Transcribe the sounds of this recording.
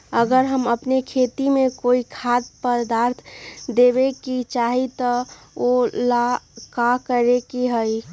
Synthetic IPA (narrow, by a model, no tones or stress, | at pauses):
əɡəɾɦəməpnekʰeːt̪imẽkoːikʰaːt̪̚pəd̪aːɾt̪ʰd̪ebekit͡ʃaːɦit̪ɔ | olakakəɾekiɦəi